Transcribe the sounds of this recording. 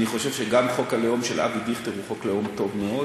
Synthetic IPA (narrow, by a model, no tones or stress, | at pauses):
niχo̞ʃe̞vʃeɡamχo̞kalejomʃela̰vid̪iχt̪eʁuχo̞klejo̞mt̪o̞vmeo